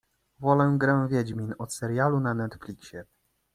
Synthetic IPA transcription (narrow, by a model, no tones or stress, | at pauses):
vɔlɛw̃ɡɾɛw̃vʲjɛd͡ʑmʲinɔt̪sɛɾjalunanɛt̪flʲikɕɛ